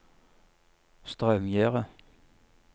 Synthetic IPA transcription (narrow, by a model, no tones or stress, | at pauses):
st̪ʁœmjæːʁə